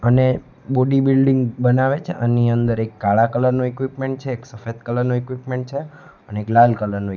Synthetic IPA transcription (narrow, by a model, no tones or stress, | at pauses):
əne | boɖibilɖiŋɡbənaʋet͡ʃʰeʔəniənd̪əɾekːaɭakələɾnuekʋipmẽɳʈ̚t͡ʃʰeːksəfed̪kələɾnuekʋipmeɳʈ̚t͡ʃʰe | əneeklalkələɾnu